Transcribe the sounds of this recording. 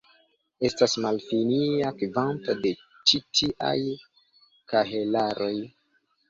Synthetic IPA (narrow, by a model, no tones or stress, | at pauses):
e̞stasmalfiniakivantode̞ | t͡ʃitʰiʔa̰j | kaɦe̞laɾʔo̞j